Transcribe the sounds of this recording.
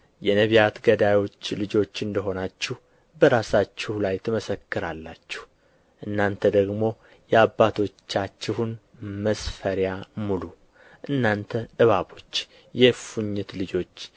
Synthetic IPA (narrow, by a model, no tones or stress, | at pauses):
jɛnəβijat̪ɡəd̪ajo̞t͡ʃːlɨd͡ʒo̞t͡ʃːɨnd̪əɦo̞nat͡ʃːɪh | bəɾasat͡ʃːɪhlajt̪ʰɨməsəkːɨɾalːat͡ʃːɪ̥h | ʔɨnːant̪ʰəd̪əɡmo̞ | jɛabːat̪ʰo̞t͡ʃːat͡ʃːɪhun | məsfəɾjamulu | ʔɨnːant̪ʰəʔɨβabo̞t͡ʃː | jɛfuɲːɨt̪lɨd͡ʒo̞t͡ʃː